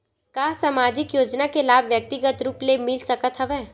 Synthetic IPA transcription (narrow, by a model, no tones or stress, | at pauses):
kaːsamaːd͡ʒɪkjoːd͡ʒnakelaːbʋjək̚t̪ɪɡət̪ɾuːplemɪlsɐkət̪ɦəʋɛː